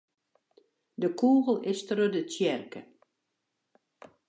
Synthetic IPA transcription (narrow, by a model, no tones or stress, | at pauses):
dəkʰuːɣəlˠɪstərødətjɛrkə̰